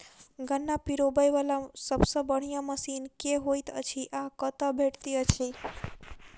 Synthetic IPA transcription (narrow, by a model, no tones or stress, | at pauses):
ɡənːapiɾobajʋalasəbsəbəɽ̤̃ijaməsinkeɦojt̪ə̰t͡ʃʰiʔakət̪abʱeʈt̪iət͡ʃʰi